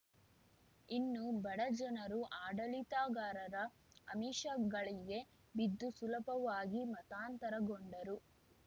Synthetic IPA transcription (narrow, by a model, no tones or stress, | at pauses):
inːubɐɽɐd͡ʒɐnɐɾuʔaːɖɐlit̪aːɡaːɾɐɾɐː | miːʃɐɡɐɭiɡe̞ | bid̪ːusulɐpɐʋaːɡimɐt̪aːnt̪ɐɾɐɡoɳɖɐɾu